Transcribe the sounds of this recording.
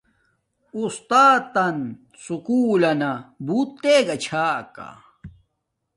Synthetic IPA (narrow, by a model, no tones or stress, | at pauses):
ust̪aːt̪ːɐn | sukuːlɐnɐbut̪ːeɡɐt͡ɕʰaːka̰